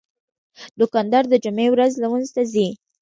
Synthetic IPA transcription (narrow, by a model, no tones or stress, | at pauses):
d̪ʊkɑnd̪ɑɾd̪əd͡ʒʊmewɾazlawənzt̪azi